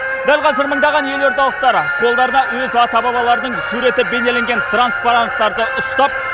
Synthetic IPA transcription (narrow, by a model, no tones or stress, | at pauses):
d̪ælqʰɑzəɾməɴd̪ɑʁɑnje̞lo̞ɾt̪ɑlˠəq̚t̪ɑɾəqʰo̞lˠd̪ɑɾənɑwɵzɑt̪ɑbɑbɑlˠɑɾənəɴsuɾe̞t̪ɪbe̞ne̞le̞ŋɡʲe̞nt̪ranspaɾant̪ːɑɾd̪əʔʊst̪ɑp̚